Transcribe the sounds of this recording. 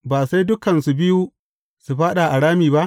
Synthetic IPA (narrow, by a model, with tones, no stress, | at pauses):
baː˨sa˦jdʊ˦kɐ˨nsu˨bɪ˦ju˦ | su˨ɸaː˦ɗa˨ʔa˨ɽaː˦miː˨ba˦ʔ